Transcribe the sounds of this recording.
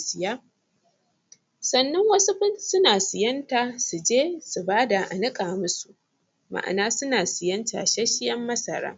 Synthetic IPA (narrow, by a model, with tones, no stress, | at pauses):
sɪ˨jaː˦ | sɐ˦nːɐ˦ŋwɐ˦su˦ɸɪ˦nsʊ˦naː˨sɪ˨jɐ˦ntaː˨su˨d͡ʒeː˦su˨baː˦da˨ʔa̰˨nɪ˦kʼaː˨mʊ˦su˨ʔ | ma̰˨ʔa̰˨naː˦sʊ˦naː˨sɪ˨jɐ˦nta̰ː˨ʃa˦ʃɪ˦jɐ˦mːɐ˦sɐ˨ɾa̰ː˦